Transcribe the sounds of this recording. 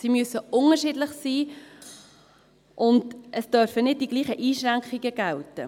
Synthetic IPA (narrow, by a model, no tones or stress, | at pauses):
simyəsəʊnəɾʃɪdlɪχsiː | ʔʊndʔəsd̥œɾfənɪd̚d̥iɡ̥liːχəʔiːʃɾæŋkχiɡ̥əɡ̥æltə